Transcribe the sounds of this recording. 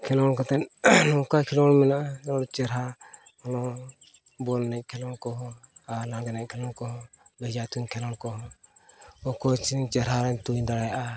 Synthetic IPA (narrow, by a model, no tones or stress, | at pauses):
kʰɛlɔnkɔt̪ɛnnɔkakʰɛlɔnmɛnaɔɾt͡ʃɛɾaɔnɔ | bɔlnɛkʰɛlɔnkɔɦɔanaɡɛnɛkʰɛlɔnkɔɦɔbɛd͡ʒat̪unkʰɛlɔnkɔɦɔ | ɔkɔt͡ʃit͡ʃɛɾɦaɾɛnt̪ujd̪aɽajʔa